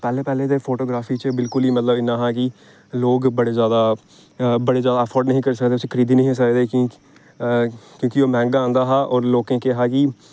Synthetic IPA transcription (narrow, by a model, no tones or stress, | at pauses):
pɛːleːpɛːleːd̪eːpʰoːʈoːɡɾaːfʰiːt͡ʃəbɪlkʊliːmət̪ləbɪnãːɦaːki | loːɡbəɽeːzjaːd̪aː | bəɽeːzjaːd̪aːpʰɔːɾɖnəɦĩːkəɾsəkd̪eːʊsekʰəɾiːd̪iːnəɦĩs̬əkd̪ẽː | kjõːkioːmɛ̃ːŋɡaãːnd̪aːɦaːʔɔːɾloːkẽːkeɦaːki